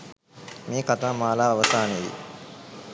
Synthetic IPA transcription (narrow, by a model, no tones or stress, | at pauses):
miːkat̪aːmaːlaːɐʋəsaːnejḭ